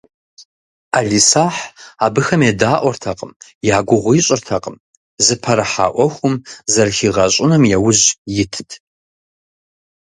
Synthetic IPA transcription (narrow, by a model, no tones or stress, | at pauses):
aːɮisaːħaːbɨxɐmeːdaːʔʷɔrtʰɐqʼəmjaːɡʷʊʁʷʊjɪɕʼɪrtʰɐqʼəm | zɨpʰɐɾɐħa̰ːʔʷɔxʷʊmzɐrxiːʁɐɕʼɪnɐmjɛwʊʑjɪtʰɨtʰ